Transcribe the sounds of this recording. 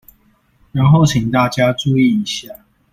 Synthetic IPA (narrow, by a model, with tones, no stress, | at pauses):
ɻa˨˦nxo˥˨ʊt͡ɕʰi˨˩ŋt̪a˥˩t͡ɕja˦ʈ͡ʂu˥˨i˥˨i˨˦ɕja˥˨